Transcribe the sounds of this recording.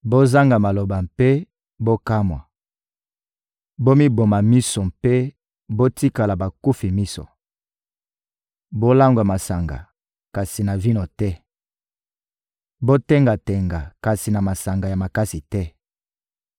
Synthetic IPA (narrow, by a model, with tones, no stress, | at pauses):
bo˦za˦ŋɡa˨ma˨lo˨ba˨mpe˦ | bo˦ka˦mwa̰˨ | bo˦mi˦bo˨ma˨mi˦so˨mpe˦ | bo˦ti˦ka˨la˨ba˨ku˦fi˨mi˦so̰˨ | bo˦la˦ŋɡwa˨ma˨sa˨ŋɡa̰˨ | ka˨si˨na˨vi˦no˨tɛ˦ | bo˦tɛ˦ŋɡa˨tɛ˨ŋɡa˨ka˨si˨na˨ma˨sa˨ŋɡa˨ja˨ma˨ka˦si˨tɛ˦